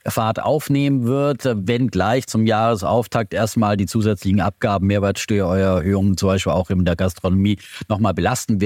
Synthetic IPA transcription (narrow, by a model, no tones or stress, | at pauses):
faːɐtʔa̰ʊfneːmənvɪɐtvɛnɡlaɪçt͡sʊmjaːʁəsʔa̰ʊftʰak̚tʔeːɐstmaːldiːt͡suːzɛt͡slɪçŋ̩ʔa̰p̚ɡ̥aːbm̩meːɐvɛɐlsʃtœːɐʔɔʏɐɛɐhøːʊŋənt͡sʊmbaɪʃpiːlaʊxɪndeːɐɡastʁ̥onomiːnɔχmaːlbəlastn̩vɪ